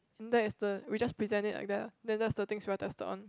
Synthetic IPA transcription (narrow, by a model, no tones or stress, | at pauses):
ɛ̃ndɛɪsdəwid͡ʒaspɹizɛ̃ntɪtla̰jk̚dɛdɛ̃ndɛtsdət̪ɪ̃ŋswiatɛstətɔ̰̃n